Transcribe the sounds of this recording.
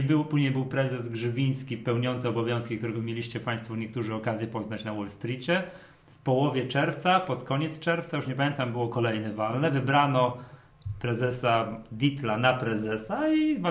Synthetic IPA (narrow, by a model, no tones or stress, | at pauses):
bɘwpuʑɲejbɘwpɾɛzɛzɡʐɘbʲij̃skʲipɛwɲɔnt̪sɛɔbɔvʲjɔ̃skʲikt̪uɾɛɡɔmʲjelʲiɕt͡ɕɛpaj̃st̪fɔɲɛk̚t̪uʐɘɔkazʲjɛpɔznat͡ɕnawɔlst̪ɾʲit͡ɕɛ | fpɔwɔvʲjɛt͡ʂɛɾft̪sapɔt̪kɔɲɛt̪st͡ʂɛɾft̪sajuʂɲɛpamʲjɛ̃nt̪ambɘwɔkɔlɛjnɛvalnɛvɘbɾanɔ | pɾɛzɛsad̪ʲit̪lanapɾɛzɛsaiv